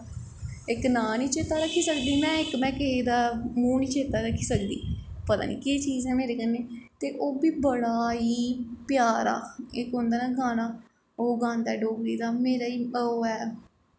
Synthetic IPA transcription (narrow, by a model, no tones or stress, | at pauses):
ɪknaːniːt͡ʃeːt̪aːɾəkʰːiːsəkd̪iːmɛ̃ːɪkmɛ̃ːked̪aːmũːniːt͡ʃeːt̪aːɾəkʰːiːsəkd̪ḭːpət̪a̰ːnḭːkeːt͡ʃiːzɛːmeːɾeːkənːeːt̪eːʔoːbiːbəɽaːiːpjaːɾa̰ːɪkɦʊ̃nd̪aːnaːɡʱãːnaː | oːɡãːnd̪ɛːɖoːɡɾiːd̪aːmeːɾaːiːoːɛː